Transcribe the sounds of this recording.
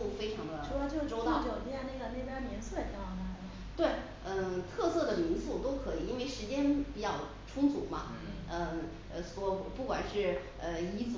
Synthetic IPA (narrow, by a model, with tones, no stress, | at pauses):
u˥˩fe˥ɪʈ͡ʂʰɑ˧˥ŋə˧˥˧t͡ɕjo˥˧˩ʈ͡ʂo˧˥ʊt̪ɑ˥˩ʊt͡ɕo˨˩t̪jɛ˥˩na˥˩ɡə˩ne˥˩ɪpja˥mɛ˧˥nsu˥˩ə˨˩˥ɑ˥˩na˧˩ | t̪we˥˩ɪ | ə˥˧t̪ʰɤ˥˧sɤ˥˩d̪ə˩mi˧˥nsu˥˩t̪o˥ʊkʰɤ˧˥i˨˩i˥nwe˥˩ɪʂɻ̩˧˥t͡ɕjɛ˥npi˨˩t͡ɕɑ˥˩ʊ | ʈ͡ʂʰʊ˥ŋt͡sṵ˨˩mɐ̰˧ | ə˧ | ə˧swɔ˧˥xpu˥˩kwa̰˨˩nʂɻ̩˥˩ | ə˧i˧˥t͡s